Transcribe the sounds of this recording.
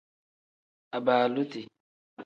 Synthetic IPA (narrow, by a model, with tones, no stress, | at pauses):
a˨baː˨lʊ˦ti˨